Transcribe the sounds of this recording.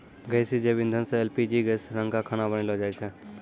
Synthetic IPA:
ɡɛjsid͡ʒebɪ̃nd̪ʱənsẽɛlpid͡ʒiɡɛsɾə̃ŋɡakʰaːnabəñilod͡ʒaːit͡ʃʰɛ

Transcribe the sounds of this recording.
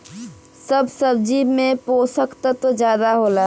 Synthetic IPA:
səbsəbd͡ʒimẽpoːsəkt̪ət̪od͡ʒjaːd̪aɦoːla

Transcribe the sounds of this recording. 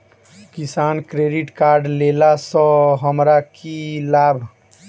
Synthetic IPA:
kisaːnkɾeɖiʈkaːɾɖlelasə̃ɦəmɾakilabʱ

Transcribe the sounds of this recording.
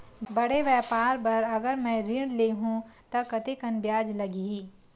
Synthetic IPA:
bɐɽeʋjɛːpaːɾpɐɾɐɡəɾmɛ̃ɾiɽleɦũt̪ɐkɐt̪ekɐnbjaːd͡ʒlɐɡiiː

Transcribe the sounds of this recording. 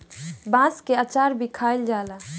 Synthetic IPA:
bãːskeat͡ʃaːɾbʱikʰaːild͡ʒaːla

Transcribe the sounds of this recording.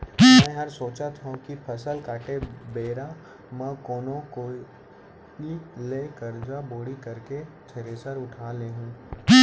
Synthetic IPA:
mɛ̃ːɦɐɾsoːt͡ʃat̪ɦũkipʰɐsəlkaːʈebeːɾa | mɛ̃ːkoːnõko | ileːkəɾd͡ʒaboːɽikɐɾket̪ʰeɾesəɾʊʈʰaːleːɦũː

